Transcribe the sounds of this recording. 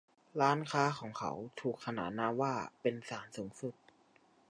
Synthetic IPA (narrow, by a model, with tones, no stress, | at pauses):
ɾaː˦˥nkʰaː˦˥kʰɔː˩˦ŋkʰa̰˦˥wt̪ʰuː˨˩kʰːa˧na̰ː˨˩naː˧˥waː˥˩pe˧nsaː˩˦nsuː˩˦ŋsu˨˩t̪̚